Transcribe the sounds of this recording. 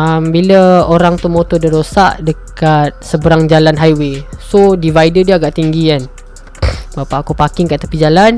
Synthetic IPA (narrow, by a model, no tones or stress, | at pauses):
əmbiləoɾaŋt̪umot̪ɔdiɾosaʔdəkat̪̚səbəɾaŋd͡ʒalanɦajwesodivajdədiəaɡaʔt̪iŋɡian | bapaʔakupakɪŋkaʔt̪əpid͡ʒalan